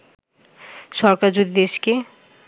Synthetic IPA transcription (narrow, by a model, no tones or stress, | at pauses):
ʃɔɾkaɾd͡ʑud̪id̪eʃke